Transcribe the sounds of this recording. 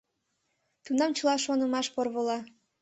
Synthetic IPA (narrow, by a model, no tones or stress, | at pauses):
t̪unɑmt͡ɕɤ̆lɑʃonə̆mɑʃporβolɑ